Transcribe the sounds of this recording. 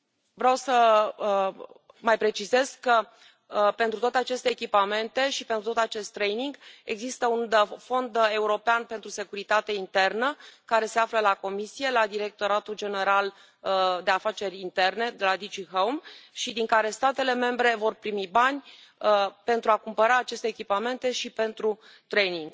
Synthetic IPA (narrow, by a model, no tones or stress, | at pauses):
vɾeawsə | majpɾe̞t͡ʃize̞z̥kːə | pe̞nt̪ɾut̪wat̪eat͡ʃe̞st̪eːkʲipame̞nt̪e̞ʃipe̞nt̪ɾut̪ot̪at͡ʃe̞st̪ːɾejniŋɡe̞̰ɡzist̪əunfo̞nd̪e̞uɾo̞peanpe̞nt̪ɾuse̞kuɾit̪at̪e̞int̪e̞rnəkaɾe̞se̞afləlako̞misije̞lad̪iɾe̞k̚t̪o̞ɾat̪uld͡ʒe̞ne̞ɾal | d̪e̞afat͡ʃe̞ɾʲint̪e̞rne̞d̪elad̪id͡ʒiɦowmʃid̪iŋkaɾe̞st̪at̪e̞le̞me̞mbɾe̞vo̞rpɾimibanʲ | əpe̞nt̪ɾuakumpəɾaːt͡ʃe̞st̪eːkʲipame̞nt̪e̞ʃipe̞nt̪ɾu | t̪ɾe̞jniŋɡ̥